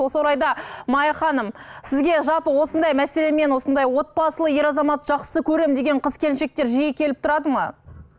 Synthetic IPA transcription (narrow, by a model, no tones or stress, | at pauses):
wo̞səwoɾɑjd̪ɑmɑjɑχɑnəmsɪzɡʲe̞ʒɑlˠpəwo̞sənd̪ɑjmæse̞le̞me̞nwo̞sənd̪ɑjwo̞t̪̚bɑsəlˠəje̞ɾɑzɑmɑt̪ʒɑqsə̥səkʲʰɵɾe̞md̪e̞ɡʲe̞ɴqʰəzkʲe̞lɪnʃe̞k̚t̪e̞ɾʒijekʲʰe̞lɪp̚t̪ʰʊɾɑd̪əmɑ